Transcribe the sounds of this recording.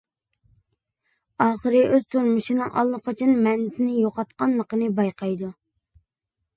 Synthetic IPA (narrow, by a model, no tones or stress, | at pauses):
ɑːχəɾɨʔøz̥t̪ʰuɾmuʃinɨŋʔɑ̰lˠːəqʰət͡ʃʰinmɛnɪsɪnɪjoqɑt̪qɑnlˠːəqənɨbɑjqʰɑjd̪u